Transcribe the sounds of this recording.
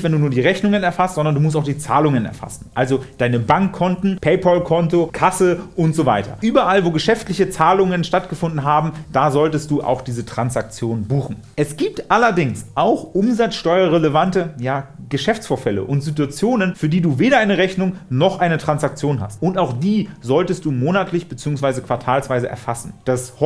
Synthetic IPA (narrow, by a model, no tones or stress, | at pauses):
v̥ɛnduːnuːɐdiːʁɛçnʊŋənɛɐfastz̥ɔndɐndumʊstaʊxd̥iːt͡sa̰ːlʊŋənɛ̰ɐfa̰sn̩ʔalzod̥aɪnəbaŋkʰːɔntn̩pʰɛɪpʰɔlkʰɔntokʰasəʔʊntz̥ovaɪtɐ̰ʔyːbɐʔalvoːɡəʃɛftlɪçət͡saːlʊŋənʃtatɡ̥əfʊndn̩ɦaːbm̩d̥aːzɔltəst̚d̥uːʔa̰ʊxd̥iːzətʁ̥ansak̚t͡sjoːnbuːxn̩ | ʔɛsɡ̥iːp̚tʔalɐdɪŋsʔaʊxʔʊmzat͡sʃtɔʏɐʁeləvantəjaːɡəʃɛft͡sfoːɐfɛlə̰ʔʊntz̥it̬uat͡sjoːnənfyːɐdiːduːveːɾɐʔaɪnəʁɛçnʊŋnɔχʔaɪnətʁ̥ansak̚t͡sjoːnɦa̰stʔʊntaʊxd̥iːzɔltəstd̥uːmoːnatʰlɪçb̥ət͡siːʊŋsvaɪzəkv̥aɐtʰaːlsv̥aɪzəʔɛ̰ɐfasn̩d̥as